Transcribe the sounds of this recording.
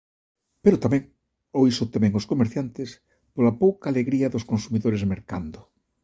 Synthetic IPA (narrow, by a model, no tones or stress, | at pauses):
peɾʊt̪amɛ̃ŋ | oisot̪emɛ̃ŋoskomeɾθjant̪ɪs | polapowkaːleɣɾiɐðʊskonsumiðoɾezmeɾka̰nd̪ʊ